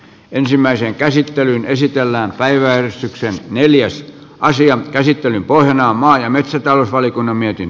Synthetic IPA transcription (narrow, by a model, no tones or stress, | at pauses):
ensimːæiseŋkæsit̪ːelynesit̪elːæːmpæiʋæærist̪yksenneljæs | ʔɑsiɑkæsit̪ːelympohjɑnɑːmmɑːjɑmet̪sæt̪ɑloˑsʋɑlikunːɑmmiet̪in